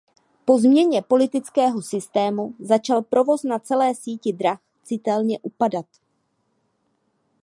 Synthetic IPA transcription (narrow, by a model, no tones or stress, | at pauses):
po̞zmɲɛɲɛpo̞lɪt̪ɪt͡skɛːɦo̞sɪst̪ɛːmuzat͡ʃalpɾo̞vo̞snat͡sɛlɛːsiːcɪdɾax | t͡sɪt̪ɛlɲɛʔupadat̪